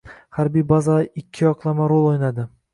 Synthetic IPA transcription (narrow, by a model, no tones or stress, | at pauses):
haɾbijbazaɪkʲʰːɪjɒqʰlˠamaɾolˠojnad̪ɪ